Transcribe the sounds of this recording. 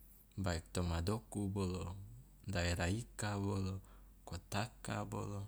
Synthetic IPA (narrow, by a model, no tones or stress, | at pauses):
baik̚t̪omadokubolo | daiɾaikabolo | kot̪aka̰bo̰lo